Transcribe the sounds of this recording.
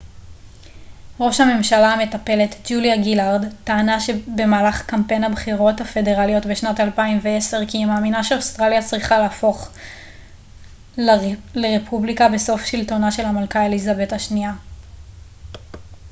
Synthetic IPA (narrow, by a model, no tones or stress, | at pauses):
ʁo̞ʃhame̞mʃalaame̞tape̞le̞td͡ʒuljaɡilaʁdtaːnaʃebe̞maːlaχkampenabχiʁo̞thafe̞de̞ʁalijo̞tbeʃnatalpaimvee̞se̞ʁkimaːminaʃeostʁaljat͡sʁiχalaːfo̞χ | lleʁepʰublikabe̞so̞fʃilto̞naʃe̞lhamalkaelizabe̞thaʃnia